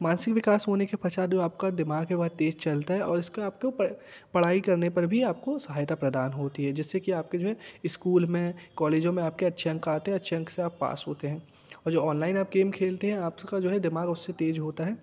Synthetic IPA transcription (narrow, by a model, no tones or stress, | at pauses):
mãːnsɪkʋɪkaːsɦoːnekepʰɐt͡ʃaːd͡ʒoːaːp̚kad̪ɪmaːɡɦɛbɐɦd̪̚eːd͡ʒt͡ʃɐlt̪aɦɛʔɔːɾɪskeaːpkeɐ | pɐɽ̤aːikɐɾnepɐɾbʱiaːp̚kosɐɦaːjt̪apɾɐd̪aːnɦoːt̪iɦɛd͡ʒɪsːekiaːp̚ked͡ʒoːɦɛɪskuːlmẽkɔːleːd͡ʒõmẽaːp̚keɐtːʃʰeɐ̃ŋkaːt̪eɦɛ̃ɐtːʃʰeɐ̃ŋkseaːpːa̰ːsɦoːt̪eɦɛ̃ː | ɔːɾd͡ʒoːɔːnlaːɪnaːp̚ɡeːmkʰeːlt̪eɦɛ̃aːpkad͡ʒoːɦɛd̪ɪmaːɡʊsːet̪eːd͡ʒɦoːt̪aɦɛː